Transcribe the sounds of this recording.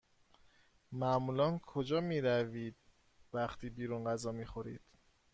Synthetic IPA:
mæmuːlɒːnkʰod͡ʒɒːmiːɾæviːd̪̥̚ | væχt̪ʰiːbiːɾunɢæzɒːmiːxoɾḭːd̪̥

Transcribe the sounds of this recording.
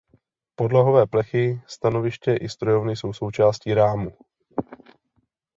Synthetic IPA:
po̞dlaɦo̞vɛːplɛxɪst̪ano̞vɪʃcɛʔɪst̪ɾojo̞vnɪso̞wso̞wt͡ʃaːsciːɾaːmu

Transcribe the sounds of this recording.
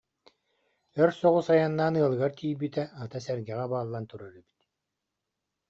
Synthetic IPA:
œɾsɔʁusajanːaːnɯɐlˠɯɡaɾt̪iːjbit̪ɛat̪asɛɾɡɛʁɛbaːlˠːant̪uɾaɾyby̥t̪

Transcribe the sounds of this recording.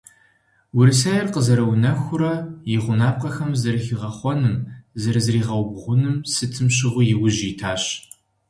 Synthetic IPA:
wʊɾɨsajɛrqəzɐɾɐwnɐxʷʊɾɐjɪʁʷʊnaːp̚qɐxɐmzɐrxiʁɐχʷɔnɨmzɐɾɨzriːʁɐwbʁʷʊnɨmsɨtʰɨmɕɪʁʷʊjɪwʊʒitʰaːɕ

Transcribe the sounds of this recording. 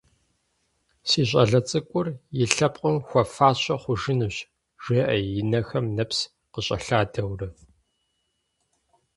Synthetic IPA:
siːɕ̬ʼɐ̰ɮɐt͡sʼɨkʷʼʊrjɪɬɐpqʼəmxʷɔfaːɕɐχʷʊʒɪnuɕ | ʒ̥eːʔɐjɪnɐxɐmnɐps | qəɕʼɐ̰ɬaːdʰɐwrɨ

